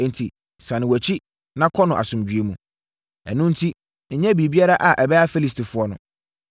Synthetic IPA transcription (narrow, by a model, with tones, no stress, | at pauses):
n̩˨tʰi˨ | sã˨nɪ̃˨wæ˨t͡ɕʰi˦ | nã˦kʰɔ˦nʊ̃˨ʔa̰˨sʊ̃˨md͡ʑᶣɥe˦mũ˨ | ɛ̰˨nʊ̃˦n̩˦tʰi˦ | n̩˨ɲɛ̃˦bi˨bi˦a˦ɾa˦ʔa˨ʔɛ˨bɛ˦a˦fi˦li˦stʰi˨fʊ˦ɔ˦nʊ̰̃˨